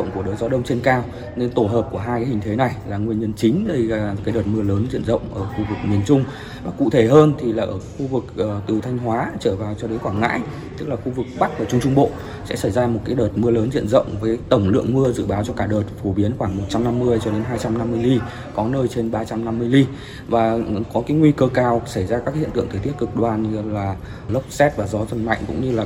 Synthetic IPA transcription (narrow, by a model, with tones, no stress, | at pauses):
ə̰˧˨wŋ͡mku˧˩ə˨əː˨˩t̚zɔ˨˦ɗə˧wŋ͡mt͡ɕe˧nkaː˧w | ne˧nt̪o˧˩ɦəː˨˩p̚ku˧˩əɦaː˧jkaː˦hï˨˩ŋ̟t̪ʰe˨˦na˨˩jlaː˨˩ŋwi˧əɲə˧nt͡ɕï˨˦ŋ̟ɗə˧jlaː˨˩˨kaː˨˦jɗəː˨˩t̚mɨ˧ələː˨˦nzḭ˧˨ənzə̰˧˨wŋ͡mʔəː˧˩xu˧vɨ˨˩k̚mi˨˩ənt͡ɕʊ˧ŋ͡m | vaː˨˩kṵ˧˨t̪ʰe˧˩ɦəː˧nt̪ʰi˨˩laː˨˩ʔəː˧˩xu˧vɨ˨˩k̚ʔəː˨˩t̪ɨ˨˩əwt̪ʰa˧jŋ̟ɦwaː˨˦t͡ɕəː˧˩vaː˨˩wt͡ɕɔ˧ɗe˨˦nxwaː˧˩ŋŋa̰ː˧˥j | t̪ɨ˦˥k̚laː˨˩xu˧vɨ˨˩k̚ɓa˦˥k̚vaː˨˩t͡ɕʊ˧ŋ͡mt͡ɕʊ˧ŋ͡mɓo̰˧˨ | sɛ̰˧˥sa˧˩jzaː˧mo˨˩kaː˨˦jɗəː˨˩t̚mɨ˧ələː˨˦nzḭ˧˨ənzə̰˧˨wŋ͡mvəː˨˦jt̪ə˧˩wŋ͡mlɨ̰˧˨əŋmɨ˧əzɨ̰˧˨ɓaː˨˦wt͡ɕɔ˧kaː˧˩ɗəː˨˩t̚fo˧˩ɓi˨˦ənxwaː˧˩ŋmo˨˩t̚t͡ɕa˧mna˧mːɨ˧əjt͡ɕɔ˧ɗe˨˦nɦaː˧jt͡ɕa˧mna˧mːɨ˧əjli˧ | kɔ˨˦nəː˧jt͡ɕe˧nɓaː˧t͡ɕa˧mna˧mːɨ˧əjli˧ | vaː˨˩kɔ˨˦kaː˨˦jŋwi˧kəː˧kaː˧˩wsa˧˩jzaː˧kaː˦˥khḭ˧˨ənt̪ɨ̰˧˨ŋt̪ʰə˨˩t̪i˦˥ət̚kɨ˨˩k̚ɗwaː˨˩n˧laː˨˩ | lə˦˥wp̚sɛ˦˥t̚vaː˨˩zɔ˨˦zə˧˩nma̰˧˨jŋ̟kʊ̰˧˥ŋ͡mɲɨ˧laː˨˩